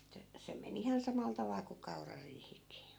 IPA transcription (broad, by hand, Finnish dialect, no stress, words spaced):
etːæ se men ihɑn sɑmɑl tɑʋɑl ku kɑurɑriːhikˑiː